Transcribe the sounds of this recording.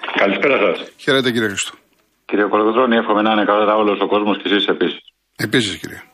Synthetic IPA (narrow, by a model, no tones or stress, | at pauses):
kɐlispeɾɐsɐsçe̞ɾet̪eciɾiexɾist̪o̥ | ciɾieokoloðɾoniefxomenɐinekaloðɐvolosoko̞zmoscesise̞pisi̥s | episiscḭɾie